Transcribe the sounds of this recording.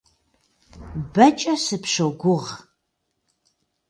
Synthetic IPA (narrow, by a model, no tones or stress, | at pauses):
bɐt͡ʃʼɐsɨpʂoɡʷʊʁ